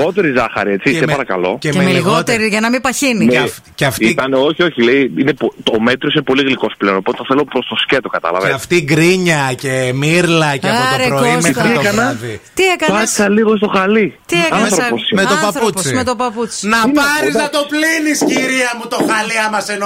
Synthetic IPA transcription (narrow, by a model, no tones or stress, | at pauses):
o̞t̪e̞ɾizɐxɐ̰ɾiet͡sisempɐɾɐkɐlo̞ceemeliɣot̪eɾiʝɐnɐmipɐçini | ceɐft̪it̪ɐneo̞çioçileiinepot̪ome̞t̪ɾo̞sinepo̞liɣliko̞sple̞onopo̞t̪eɐθelopɾo̞st̪o̞scet̪okɐt̪ɐ̰lɐ̰veɐft̪iɡɾiɲɐcemiɾlɐceɐpot̪ɾeɾoimexɾitokɐnɐðit̪iekɐɐsɐliɣost̪oxɐlit̪iekɐɾoosmet̪opɐut͡simet̪opɐput͡si̥nɐpɐɾiznɐt̪o̞plinisciɾiɐmut̪o̞xɐliɐmɐseno